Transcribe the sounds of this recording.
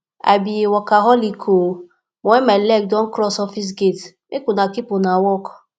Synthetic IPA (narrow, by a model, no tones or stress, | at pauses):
a̰bijewɔkaɦɔlikʰo | mɔemalɛk̚dɔn̩kɾɔsɔfis̬ɡetmekunakipʊnawɔkɔ̥